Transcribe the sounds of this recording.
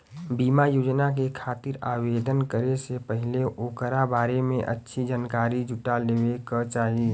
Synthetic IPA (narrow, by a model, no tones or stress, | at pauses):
biːmajoːd͡ʒnak̬ekʰaːt̪ɪɾaːʋeːd̪ʱənkəɾesepəɦɪleʔoːkəɾabaːɾemḛ̃ʔə̰tːʃʰid͡ʒənkaːɾid͡ʒʱʊʈalewekət͡ʃaːɦi